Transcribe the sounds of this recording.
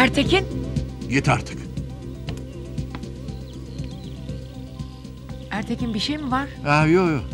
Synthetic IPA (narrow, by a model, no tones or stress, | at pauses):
æɾt̪ʰecʰinɟet̪ʰaɾt̪ʰɯ̥k | æɾt̪ʰecʰinbiʃejmivaɾ̥æjojo